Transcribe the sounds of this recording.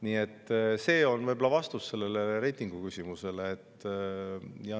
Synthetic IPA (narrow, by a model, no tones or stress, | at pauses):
niːe̞t̪ːse̞ːo̞nvɤjbolɑvɑst̪usːe̞lːe̞leɾe̞jt̪ːˑiŋɡ̥ukysʲimuse̞le̞ːt̪ː | jɑ